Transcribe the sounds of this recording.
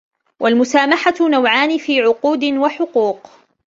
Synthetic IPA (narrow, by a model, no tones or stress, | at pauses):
wʔalmʊsaːmaħanawʕaːnɪfiːʕʊquːd̪ɪnwaħʊquːq